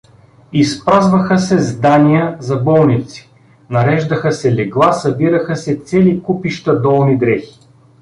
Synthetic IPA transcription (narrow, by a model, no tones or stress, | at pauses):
ispɾazvəxəsɛzd̪anijəzɐbɔlˠnit̪si̥ | nɐɾɛʒd̪ɐxəsɛlɛɡlˠasɐbiɾəxəsɛt̪sɛlikupiʃt̪ɐd̪ɔlˠnid̪ɾɛxi̥